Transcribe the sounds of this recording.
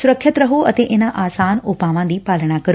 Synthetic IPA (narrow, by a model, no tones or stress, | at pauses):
sʊɾəkʰjət̪ɾɐɦoɐt̪eʔɪnəʔaːsaːnoːpaːʋãːnd̪iːpaːləɽ̃akɐɾo